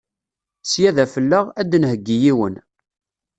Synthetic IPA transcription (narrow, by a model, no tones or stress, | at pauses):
sjæðæfəlːəʁæd̪ːnhəɡːijiwən